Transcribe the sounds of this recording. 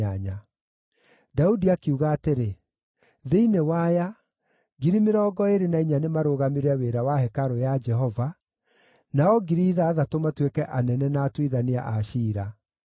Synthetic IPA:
aɲa | daudiakiuɣaːteɾe | ðeinewaja | ɡiɾimeɾɔːɡɔeɾenaiɲanemaɾoːɣameɾaweɾawahɛkaɾojad͡ʒɛɦɔva | naɔɡiɾiðaːðatomatwekɛʔanɛnɛnaːtwiðanea̰ʔaʃiːɾa

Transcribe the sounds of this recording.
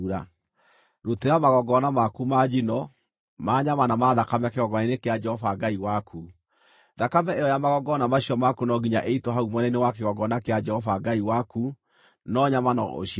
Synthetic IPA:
ɾa | ɾoteɾamaɣɔɡɔnamakumad͡ʒinɔ | maɲamanamaðakamɛkeɣɔɡɔninekead͡ʒɛhɔvaɡaiwakʰu | ðakamɛejɔjamaɣɔɡɔnamaɕiɔmakunɔɡiɲaʔeitɔɦaumɔnɛnewakeɣɔɡɔnakead͡ʒɛhɔvaɡaiwaku | nɔɲamanɔ̰ʔo̰ʃ

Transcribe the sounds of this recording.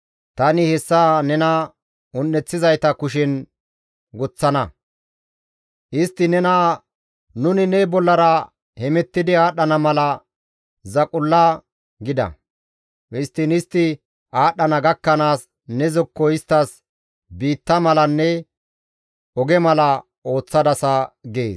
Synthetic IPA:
t̪ɐnɪhɛsːanɛnɐ | ʊnːɛt͡sːɪzɐjt̪ɐkʊʃ̬ɪn | ɡʊt͡sːɐnɐ | ʔɪst̪ːɪnɛna | nʊnɪnɛbɔlːɐɾɐ | hɛmɛt̪ːɪd̪ɪaːɗːɐnɐmɐlɐ | zɐkʼʊlːa | ɡɪd̪ɐ̰ | ʔɪst̪ːɪnɪst̪ːɪ | ʔaːɗːɐnɐɡɐkːɐnaːs | nɛzɔkːɔɪst̪ːɐs | biːt̪ːɐmɐlɐnːɛ | ɔɡɛmɐlɐ | o̞ːt͡sːɐd̪ɐsɐɡeːs

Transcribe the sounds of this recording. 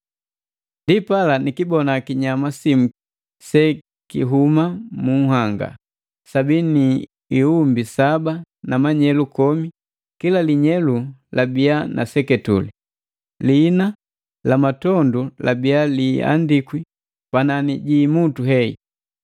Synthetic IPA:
ndipalanikibɔnakiɲamasim̩ | sɛ | kiɦumamuɦaŋɡa̰ | sabini | iumbisabanamaɲɛlukɔmi | kilaliɲɛlulabianʔa̰sɛkɛtṵli | lina | lamatɔndulabialia̰ndikwi | pananiɟimutuɦɛḭ

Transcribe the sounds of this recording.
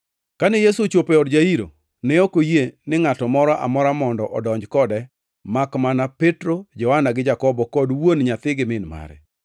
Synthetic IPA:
kanɛjesut͡ʃopɛɔdd͡ʒaiɾo̰ | nɛokojenɪŋatɔmɔɾɔʔa̰mɔɾamɔndɔʔɔdɔɲd͡ʒkɔdɛ | makmanapɛtɾod͡ʒɔhanaɡɪd͡ʒakɔbɔkɔdwonɲat̪ɪɡɪmɪnma̰ɾɛ̰

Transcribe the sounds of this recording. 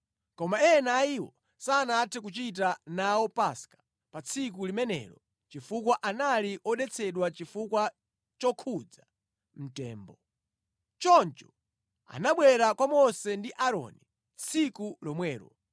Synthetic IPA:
kɔmaɛnaiwɔ | saːnatʰɛk̬ut͡ʃit̬anawɔpaskḁ | pat͡sʰik̬ulimɛnɛ̰ːɾɔ | t͡ʃifukwaʔanaliʔɔɗɛt͡sʰɛɗwat͡ʃifukwa | t͡ʃɔkʰud͡za | m̩tɛ̰ːmbɔ | t͡ʃɔnt͡ʃɔ̥ | a̰naɓwɛɾakwamɔsɛndiʔaɾɔ̰ni | t͡sʰikulɔmwɛːɾɔ̰

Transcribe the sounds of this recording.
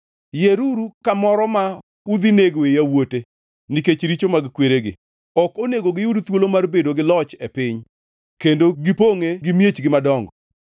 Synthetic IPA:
jeɾuɾukamɔɾɔma | ud̪ineɡoejawote | niket͡ʃɾit͡ʃomaɡɪkweɾeɡɪ̰ | ɔkoneɡoɡɪjudt̪wolomarbedoɡɪlɔt͡ʃɛpɪɲ | kendoɡɪpoŋeɡɪmjet͡ʃɡɪmadɔŋɡɔ

